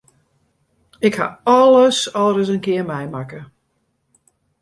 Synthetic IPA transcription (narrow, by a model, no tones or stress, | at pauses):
ɪkha̰ɔləsɔlˠrəs̬ənkɪəmɛjmakə